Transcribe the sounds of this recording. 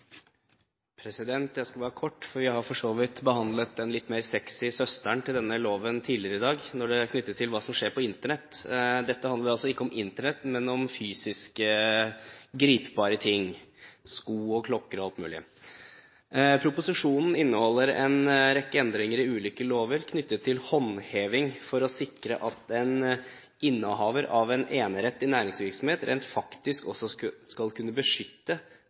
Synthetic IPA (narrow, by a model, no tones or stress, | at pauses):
pʰɾɛsɪd̪ɛnt̪jæɪskɑʋɑːɾəkʰɔʈːfɔɾʋɪhɑɾfɔʂoːʋɪt̪bəhɑnd̪lət̪̚ɛnlɪt̪ːmeːɾsɛksɪsœst̪æɳt̪ʰɪld̪ɛnːəloːʋənt̪ʰiːlɪəɾəɪd̪ɑːɡnɔɖɛkʰnʏt̪ːət̪ʰːɪlʋɑːsɔmʂeːɾpʰɔɪnt̪əɳɛt̪ːd̪ɛt̪ːəhɑnd̪əɾɑlsɔɪkːəɔmɪnt̪əɳɛt̪ːmɛnɔmfyːsɪskə | ɡɾiːpbɑːɾət̪ʰɪŋskuːɔkʰlɔkːəɾɔɑlt̪mʉːlɪə | pʰɾʊpʊsɪʂuːnn̩ɪnːəhɔlːəɾɛ̰nɾɛkːəɛnd̪ɾɪŋəɾɪʉːliːkəloːʋəɾkʰnʏt̪ːət̪ʰːɪlhɔnheːʋɪŋfɔɾɔsɪkɾəʔɑt̪ɛn | ɪnːəɦɑːʋəɾʔɑʋɛneːnəɾɛt̪ːɪnæːɾɪŋsʋɪɾksɔm̩heːt̪ɾʔḛːnt̪fɑkt̪ɪskɔsːɔskɑlkʰʉnːəbəʂʏt̪ːə